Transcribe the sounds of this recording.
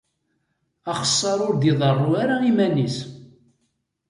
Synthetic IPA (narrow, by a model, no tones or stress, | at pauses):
ɑχə̥sˤːɑɾˤʊɾd̪iðˤərˤːuaɾaimænis